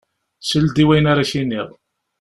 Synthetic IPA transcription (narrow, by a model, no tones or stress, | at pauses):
səld̪iwæjnaɾaçinːiʁˤ